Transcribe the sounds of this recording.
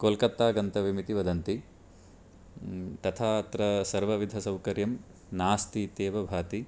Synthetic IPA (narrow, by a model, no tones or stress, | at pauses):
koːlkɐt̪ːaːɡɐnt̪ɐʋimit̪iʋɐd̪ɐnt̪i | t̪ɐt̪ʰaːt̪ɾɐsɐɾʋɐʋid̪ʱɐsɐwkɐɾjɐm | naːst̪iːt̪eːʋɐbʱaːt̪i